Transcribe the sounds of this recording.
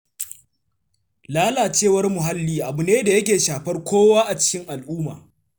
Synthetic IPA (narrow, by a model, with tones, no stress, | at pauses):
laː˦laː˨t͡ʃeː˦˨wɐ˦rmʊ˨ɦa˦lːiː˦ʔa˨bʊ˨neː˦da˨jɐ˦kʲeː˨ʃaː˨ɸɐ˦rkʷoː˦waː˦ʔa˨t͡ʃɪ̥˦kʲɪ˦ŋʔa˨lʔuː˦ma̰ː˨